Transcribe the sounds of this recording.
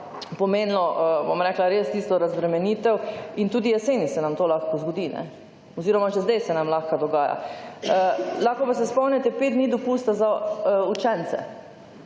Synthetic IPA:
pɔmenlɔbomɾɛklaɾeːst̪ist̪ɔɾazbɾɛmɛniːt̪ɛwint̪uːd̪ijɛseːnisɛnamt̪oːlaxkɔzɡɔd̪iːnɛ̰ | ɔziːɾɔmaʒɛzd̪ɛjsɛnamlaxkad̪ɔɡaːja̰ | laxkɔpas̬ɛspɔwnɛt̪ɛpeːd̪nid̪ɔpust̪azaut͡ʃɛnt̪t͡s̪ɛ̰

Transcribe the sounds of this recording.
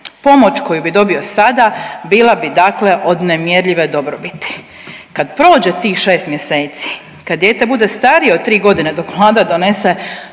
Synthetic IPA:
po̞mo̞t͡ɕko̞jubid̪o̞bio̞sad̪abiːlˠabid̪akle̞ʔo̞d̪nemjeɾʎiʋe̞d̪o̞bɾobit̪i̥ | kad̪pɾo̞ːd͡ʑet̪iːxʃe̞ːst̪mjese̞ːt̪si̥ | kad̪d̪jet̪ebud̪est̪aɾiod̪̚t̪ːɾiːɡo̞d̪ined̪o̞kmlˠaːd̪ad̪o̞ne̞se

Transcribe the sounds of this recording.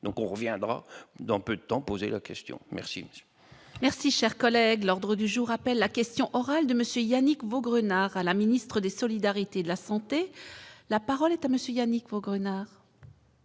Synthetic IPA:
d̪ɔ̃kɔ̃ʁəvjɛ̃d̪ʁa̰d̪ɑ̃pød̪ət̪ɑ̃pozela̰kʲɛ̰st̪jɔ̰̃mɛ̰ʁsḭməsj | mɛʁsiʃɛʁkɔlɛɡlɔʁd̪ʁəd̪yʒuʁapɛlːakʲɛst̪jɔ̃ʔɔʁald̪əməsjøjanikvoɡʁənaʁalaminist̪χəd̪esɔlid̪aʁit̪ed̪əlasɑ̃t̪elapaʁɔlɛt̪aməsjøjanikvoɡʁənaːʁ

